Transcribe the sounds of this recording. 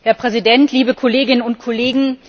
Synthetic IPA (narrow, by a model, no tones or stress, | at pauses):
hɛɐpʁ̥ɛzidɛntʰliːbəkʰɔleːɡɪnənʊntkʰɔleːɡŋ̩